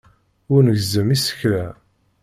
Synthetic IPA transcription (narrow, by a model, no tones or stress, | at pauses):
ʊɾnəʝzəmisə̥çlæ